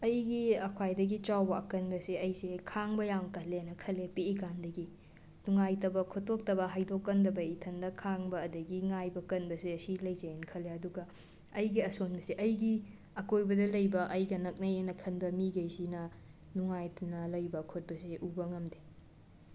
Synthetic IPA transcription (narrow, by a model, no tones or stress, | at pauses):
ɐjɡiɐkʰwajdɐɡit͡ʃawbɐɐkɐnbɐseɐjsekʰaŋbɐjaŋkɐlːenɐkʰɐlepeikandɐɡi | nuŋajtɐbɐkʰotʰːok̚tɐbɐɦajdokːɐndɐbɐitʰɐndɐkʰaŋbɐːdɐɡiŋajbɐkɐnbɐseɐsilɐjd͡ʒɐjenkʰɐlːeɐduɡɐ | ɐjɡiɐsonbɐseʔɐjɡi | ɐkojbɐdɐlɐjbɐʔɐjɡɐnɐk̚nɐjenɐkʰɐnbɐmiɡɐjsinɐ | nuŋajtnɐlɐjbɐkʰot̚bɐseʔubɐŋɐmde